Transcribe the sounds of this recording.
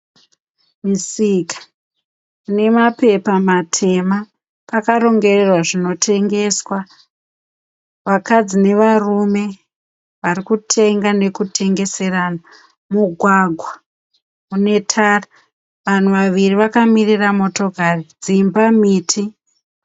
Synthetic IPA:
misikḁ | ne̞mape̞pamatʰe̞ma | pakaɾo̞ŋɡe̞rerwaʐino̞tʰe̞ŋɡe̞swa | ʋakad͡zine̞ʋarume̞ | ʋarikutʰe̞ŋɡane̞kutʰe̞ŋɡe̞se̞raːna | muɡʱwaɡʱwa | une̞tʰara | ʋan̤uʋaʋiriʋakamiriramo̞to̞kared͡zimbamiːtʰi

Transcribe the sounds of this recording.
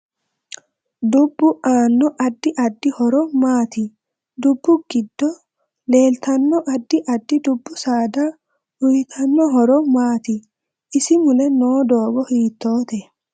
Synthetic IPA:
d̪ʊbːʊʔaːnːɔʔɐd̪ːɪʔɐd̪ːɪhɔɾɔmaːt̪ɪ | d̪ʊbːʊɡ̥ɪd̪ːɔ | le̞ːlt̪ɐnːɔʔɐd̪ːɪʔɐd̪ːɪd̪ʊbːʊsaːd̪a | ʊjɪt̪ʰɐnːɔɦɔɾɔmaːt̪ɪ | ɪsɪmʊlɛnoːd̪o̞ːɡɔhiːt̪ːo̞ːt̪ɛ

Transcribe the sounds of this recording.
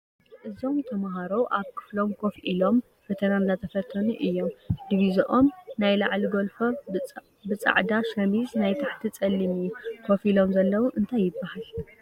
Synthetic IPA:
ʔɨzo̞mt̪ʰɐmaɦaɾowʔaβkʰɨ̥flo̞mkʰo̞fʔilo̞m | bɐt̪ʰɐnanzat̪ʰɐfɐt̪ʰːɐnuʔɨjːo̞md̪iβizɐʔomnajla̰ʕliɡolfo | bɨt͡sʼa̰ʕd̪aʃɐmiznajt̪ʰaħt̪ʰit͡sʼɐlːimiukʰofilo̞mzɐlːɐwuʔɨnt̪ʰajːɪbːahal

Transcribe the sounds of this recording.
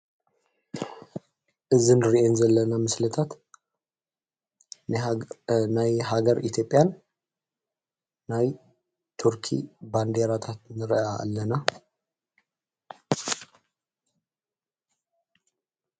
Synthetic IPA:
ʔɨzinɨɾiʔenzɐlːɐnamɨslɐt̪ʰat̪ | najhaɡɐɾʔit̪ʰjo̞pʼjan | aj | t̪ʰuɾkʰḭband̪eɾat̪ʰat̪nɨɾʔaʔːlːɐna

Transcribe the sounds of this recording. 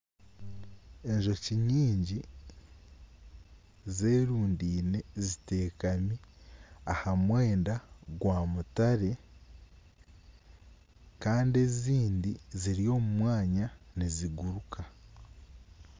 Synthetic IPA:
e̞ɲʒo̞ciɲiːɲɟi | ze̞ːɾuːndiːne̞zite̞ːkamiahamwe̞ːndaɡwaːmutaɾe̞ | kaːnde̞ziːndiziɾijo̞ːmumwaːɲaniziɡuɾukʰa

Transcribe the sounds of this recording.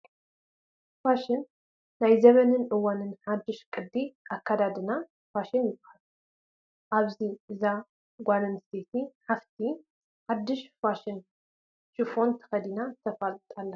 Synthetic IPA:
faʃɪnː | ajzɐmɐnɨnʔɨwanɨnħad̪ːɨʃkʼɨd̪ːiʔakːad̪ad̪ɨna | faʃɪnjɪbɐhal | ʔaβziʔɨza | ɡʷanɨnst̪ʰet̪ʰiħaft̪ʰi | ħad̪ːɨʃfaʃɪn | ʃɨfo̞nt̪ʰɐ̥xɐd̪inat̪ʰɐfalt̪ʼalːɐ

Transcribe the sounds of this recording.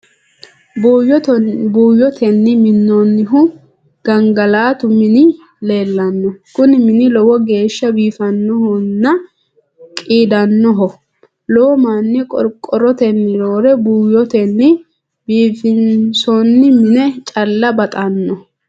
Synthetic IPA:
bjbuːjɔt̪ʰɛnːɪmɪnːɔnːɪɦʊ | ɡ̥ɐŋɡɐlaːt̪ʊmɪnɪ | le̞ːlːɐnːɔkʊnɪmɪnɪlɔwɔɡe̞ːʃːɐbiːfɐnːɔhɔnːɐ | kʼiːd̪ɐnːɔɦɔ | lɔwɔmanːɛkʼɔɾkʼɔɾɔt̪ɛnːɪɾoːɾɛbuːjɔt̪ɛnːɪ | biːfɪnsɔnːɪmɪnɛt͡ʃʼɐlːɐbɐt̪ʼɐnːɔ

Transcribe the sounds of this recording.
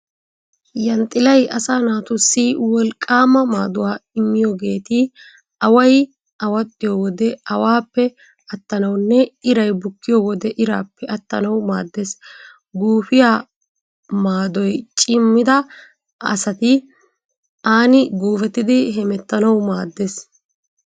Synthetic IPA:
jɐnt̪ʼːɪlɐjʔɐsaːnaːt̪ʊsːɪwɔlkʼːaːmɐmaːd̪ʊwaːɪmːɪjoɡe̞ːt̪ɪ | ɐwɐj | ʔɐwɐt̪ʼːɪjoːwɔd̪ɛɐwaːpːɛ | ɐt̪ːɐnɐwnːɛɪɾɐjbʊkːɪjoːwɔd̪ɛʔɪɾa̰ːpːɛʔɐt̪ːɐnɐwma̰ːd̪ːes | ɡuːfɪjaː | maːd̪ɔjt͡ʃʼɪmːɪd̪ɐ | ɐ̰sɐt̪ɪ | aːnɪɡoːfɛt̪ːɪd̪ɪɦɛmɛt̪ːɐnɐwmaːd̪ːes

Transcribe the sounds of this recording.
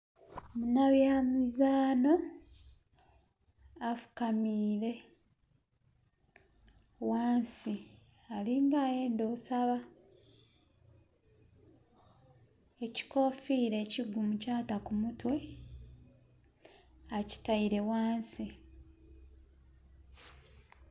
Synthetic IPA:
munaβjaːmizaːno̞ | afu̥kamiːɾe̞ | waːnsi | aliŋɡaːje̞ːndo̞ːsaβa | eci̥ko̞fiːɾe̞ːciɡːumucaːtakumutwe̞ | aci̥taiɾe̞waːnsi

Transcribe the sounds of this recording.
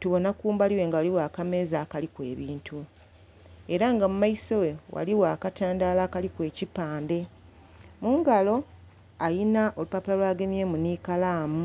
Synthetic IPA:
tuβo̞nakuːmbaliwe̞ŋɡawaliwaːkame̞zaːkalikwe̞̰ːβiːntʰu | e̞ɾaŋɡamumaiso̞we̞wa̰liwaːkataːndaːlaːkalikwe̞ːcipaːnde̞ | muːŋɡalo̞ | ajinaʔo̞lupapulalwaːɡemjeːmuniːkalaːmu

